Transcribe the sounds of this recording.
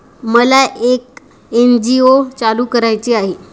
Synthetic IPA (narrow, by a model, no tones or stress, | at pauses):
məlaʔek | end͡ʑiot͡saluːkəɾajt͡ɕiaɦe